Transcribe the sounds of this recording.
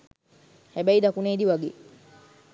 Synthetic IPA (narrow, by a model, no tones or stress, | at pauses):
hɛbɛjd̪akuneːd̪iwaɡe